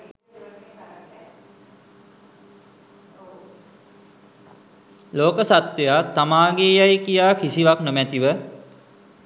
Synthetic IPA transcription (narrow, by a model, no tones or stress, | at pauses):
loːkəsat̪ʋejat̪ːamaːɡeːjajkijaːkisiʋaknomæt̪iʋə